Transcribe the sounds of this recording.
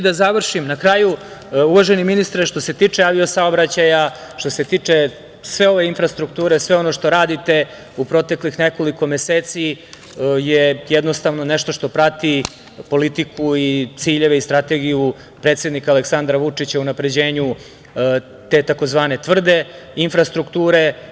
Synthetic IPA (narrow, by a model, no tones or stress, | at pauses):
d̪azaʋr̩ʃimnakɾaːju | uʋaʒeniminist̪ɾeʃt̪o̞se̞t̪iːt͡ʂeaʋio̞saobɾat͡ɕaja | ʃt̪o̞se̞t̪iːt͡ʂe | sʋe̞o̞ʋe̞infɾast̪ɾuk̚t̪uːɾesʋe̞o̞no̞ʃt̪o̞ɾaːd̪it̪e̞ | upɾo̞t̪e̞klixneko̞liko̞meseːt̪si | jejɛd̪nost̪aʋno̞neʃt̪oʃt̪o̞pɾat̪i | po̞lit̪ikuit̪siːʎe̞ʋeist̪ɾat̪e̞ɡiju | pɾe̞ːt̪sje̞d̪nikaleksand̪ɾaʋut͡ʂit͡ɕaunapɾe̞d͡ʑe̞ːɲu | t̪e̞ːt̪ako̞zʋaːne̞t̪ʋr̩d̪e̞ | infɾast̪ɾukt̪uːɾe̞